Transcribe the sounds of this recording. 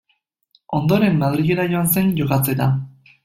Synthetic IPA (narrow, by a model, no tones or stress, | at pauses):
o̞nd̪o̞ɾe̞mːaðɾiɣe̞ɾajo̞anse̞nʝokat͡se̞t̪a